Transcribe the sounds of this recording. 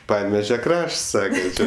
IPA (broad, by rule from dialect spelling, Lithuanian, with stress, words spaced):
ˈpɑːnʲɛʋʲɛʒʲɛ ˈkrɐʃts ˈsɑːkɐ ˈt͡ʃʲeː